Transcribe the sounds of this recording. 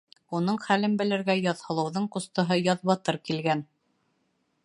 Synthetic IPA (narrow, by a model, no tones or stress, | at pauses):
unɤɴχælɘmbɘ̆lɘ̆ɾɡæjɑðhɤ̆lˠɤ̆wðɤɴqŏst̪ɤ̆ɦɤjɑðβɑt̪ɤɾkilɡæn